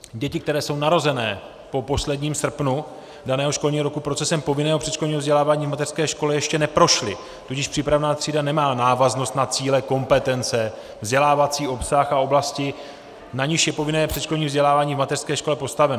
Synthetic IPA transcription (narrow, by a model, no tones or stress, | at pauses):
ɟɛcɪkt̪ɛɾɛːso̞wnaɾo̞zɛnɛː | po̞po̞slɛdɲiːmsr̩pnu | danɛːɦoʃkolɲiːɦoɾokupɾo̞t͡sɛsɛmpo̞vɪnɛːɦopr̥ɛt̪ʃkloɲiːɦovzɟɛlaːvaːɲiːvmat̪ɛr̥skɛːʃko̞lɛjɛʃcɛnɛpɾo̞ʃlɪ | t̪ucɪʃpr̥iːpɾavnaːt̪r̥iːdanɛmaːnaːvaznost̪nat͡siːlɛko̞mpɛt̪ɛnt͡sɛ | vzɟɛlaːvat͡siːo̞psaxao̞blascɪ | naɲɪʃjɛpo̞vɪnɛːpr̝ɛʃkloɲiːvzɟɛlaːvaːɲiːvmat̪ɛr̥skɛːʃko̞lɛpo̞st̪avɛno